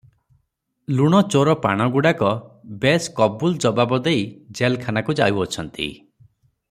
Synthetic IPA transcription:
luɽ̃ɔt͡ʃoɾɔpa̰ɽ̃ɔɡuɽakɔbeskɔbuld͡ʒɔbabɔd̪ejd͡ʒelkʰanakud͡ʒa̰uɔt͡ʃʰɔnt̪ḭ

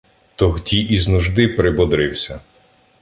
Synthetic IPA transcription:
t̪ɔɦdʲiiznuʒd̪ɪpɾɪbɔd̪ɾɪwsʲɐ

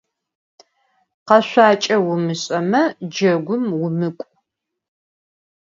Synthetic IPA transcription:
qɐɕʷaːt͡ʃʼɐwʊmɨɕʼɐmɐd͡ʒɐɡʷʊmwʊmɨkʷʼ

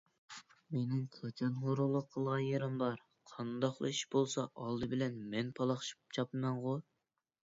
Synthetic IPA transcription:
menɪŋkʰɑt͡ʃʰɑnχoɾulˠːʊqʰːəlˠʁɑnjeɾɪmbɑɾ | qʰɑnd̪ɑχlˠɨ̰iʃbolˠsɑʔɑlˠd̪ɨbɪlɛnmɛnpʰɑlˠɑχʃi̥p̚t͡ʃʰɑpɨmɛnʁo

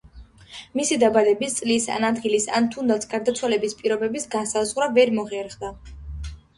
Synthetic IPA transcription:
misid̪abad̪ɛbist̪sʼlisa̰nad̪ɡilisa̰nt̪ʰund̪at̪sʰɡaɾd̪at̪sʰwalɛbispʼiɾɔbɛbisɡansazʁɾavɛɾmɔʁɛɾχd̪a

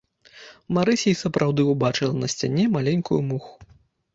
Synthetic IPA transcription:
maɾɨsʲɛjsɐpɾawd̪ɨubat͡ʂɨlˠɐnɐsʲt͡sʲanʲɛmalʲɛnʲkujumuxu̥

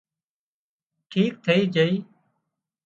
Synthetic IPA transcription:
ʈʰiːk̚t̪ʰəiːd͡ʒəiː

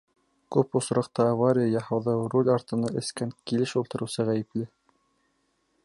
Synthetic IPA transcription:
kʉpŏsɾɑqt̪ɑːvaɾʲijajɑhɑwðɑwrolʲɑɾt̪ɤ̆nɑʔɘ̆skæŋkilɘʃulˠt̪ɤ̆ɾɤ̆wsɤʁæjɘ̆plɘ

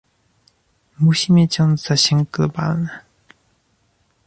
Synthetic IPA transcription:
muɕimʲet͡ɕɔ̃nz̥aɕɛŋklɔba̰lnɛ

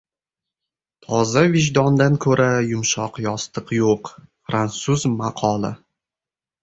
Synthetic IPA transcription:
t̪ʰɒzavɪʒd̪ɒnd̪ankʰɵɾʔajʊmʃɒqjɒst̪ʰɨqjoqfɾansuzmaqʰɒlˠɪ̰

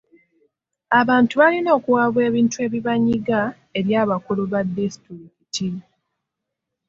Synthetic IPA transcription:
aβaːntuβalino̞ːkuwaβwe̞ːβiːntue̞ːβiβaɲiɡa | e̞ɾjaːβakuluβadːistiɾikiti

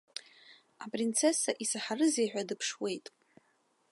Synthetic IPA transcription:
apʼrint͡sʰe̞saʔisaħarɨzejħᶣadɨpʰʂwe̞jtʼ

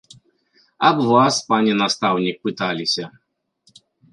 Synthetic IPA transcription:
ɐbvaspanʲɛnast̪awnʲik̚pɨt̪alʲisʲɐ

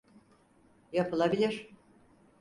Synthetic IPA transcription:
japɯlˠabilʲiɾ̥

